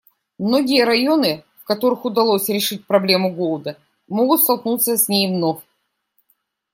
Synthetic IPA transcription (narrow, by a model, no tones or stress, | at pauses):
mno̞ɡʲɪjəɾɐjo̞nɨfkɐt̪o̞ɾɨxʊd̪ɐlˠosʲɾʲɪʂɨt̚ʲpɾɐblʲe̞mʊɡolˠd̪ə | mo̞ɡʊt̪st̪ɐlˠknut̪səsʲnʲejvno̞fʲ